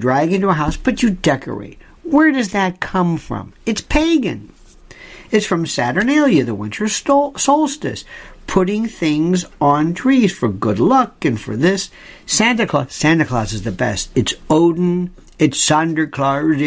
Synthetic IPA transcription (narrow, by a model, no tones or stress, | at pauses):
dɹaɪɡɪ̃ntuəɦaʊsb̥ʌt͡ʃɨdɛkʰə̰˞ḛɪt̚ | wəɹdʌzðɨt̚kʰʌ̃ɱfɹʌ̰̃mɨtspʰeɪɡɨ̰̃n | ɨtsfɹʌ̃msæɾə˞nɪlˠjɨðəwɪ̃ntʰə˞soʊlˠstɨ̰spʰʊɾɪ̃ŋθɪ̃ŋzn̩tʰɹ̥iz̥fə˞ɡʊdˡlʌkɨ̃nfə̰˞ðɪs | sæ̃ntɨkʰl̥ɑsæ̃ntɨkʰl̥ɑ̰sɨzðɨbɛ̰stɨtsoʊdⁿn̩ | ɨtsʌ̃ndə˞kʰl̥ɑɹz